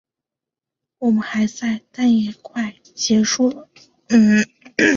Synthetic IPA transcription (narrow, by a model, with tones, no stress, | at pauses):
wɔ˨˩mə˦nxa˧˥ɪt͡sa˥˧ɪt̪a˥˧njɛ˥˩kʰwa˥˩ɪ | t͡ɕjɛ˧˥ʂu˥˩d̪̩˩˥˩